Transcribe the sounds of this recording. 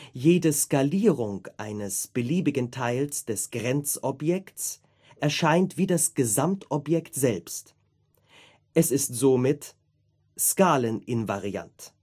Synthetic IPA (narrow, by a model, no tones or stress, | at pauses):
jeːdəskaliːʁʊŋʔaɪnəsb̥əliːbɪɡən̩tʰaɪlsd̥ɛsɡ̥ʁɛnt͡sɔpjɛktt͡s | ʔɛɐʃaɪntv̥iːdasɡ̥əzamtɔpjɛktz̥ɛlpst | ʔɛsɪstz̥oːmɪt | skaːlənɪnva̰ʁia̰nt